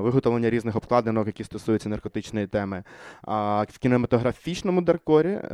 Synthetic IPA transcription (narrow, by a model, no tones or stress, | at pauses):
ʋɪɦɔt̪ɔlˠenʲːɐɾʲiznɪxɔp̚klˠɑd̪enɔkjɐkʲist̪ɔsujʊt͡sʲːɐnɐrkɔt̪ɪt͡ʃnjit̪ɛmɪ | ʋkʲinemɐt̪ɔɦɾɐfʲit͡ʃnɔmʊd̪erkɔɾʲḭ